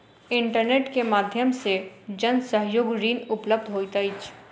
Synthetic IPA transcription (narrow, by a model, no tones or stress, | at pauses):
ɪ̃ɳʈəɾneːʈkemaːd̪ʱjəmsed͡ʒənsəɦjoːɡɾiːnʊpləb̚d̪ʱɦoːit̪əɪt͡ʃʰ